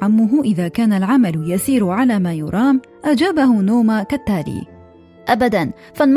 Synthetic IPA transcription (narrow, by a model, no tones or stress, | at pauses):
amːʊɦʊʔɪðaːkaːnalʕamaljasiːɾʊʕalaːmaːjʊɾˤɑːm | ʔad͡ʒaːbaɦʊnoːmakat̪ːaːlḭː | ʔabad̪an | falm